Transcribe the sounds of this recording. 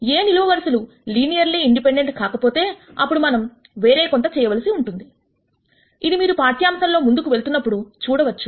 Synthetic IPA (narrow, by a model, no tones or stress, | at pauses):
e̞ːniluʋɐʋɐɾsɐlu | liːnijɐɾliiɳɖipe̞ɳɖe̞ɳʈkaːkɐpo̞ːt̪e̞ːɐpːuɽumɐnɐm | ʋe̞ːɾe̞ːkont̪ɐt͡ʃɛːjɐʋɐlisiuɳʈund̪i | id̪imiːɾupaːɾʈijaːmsɐnlo̞ːmund̪ukuʋe̞ɭt̪unːɐpːuɽut͡ʃuːɽɐʋɐt͡ʃːu̥